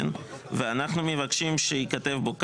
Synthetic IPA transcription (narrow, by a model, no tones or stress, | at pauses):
nveanaχnumevakʃimʃeikate̞vbok